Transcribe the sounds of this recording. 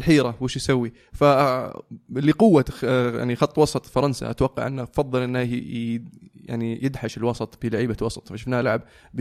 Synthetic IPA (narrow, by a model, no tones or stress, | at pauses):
lħiːɾawɪʃjsawːi | fa | liqʊwːaja̰ʕnixɑt̪ˤːwɑsˤɑt̪ˤfɑɾˤɑnsa̰ʔa̰t̪wɑqːɑ̰ʕʔɪnːafɑðˤːɨlʔɪnːa | ja̰ʕnijɪd̪ħaʃɪlwɑsˤɑt̪ˤb̥ɪlaʕiːbawɑsˤɑ̥t̪ˤfaʃɪfnaːhlaʕab̚ | b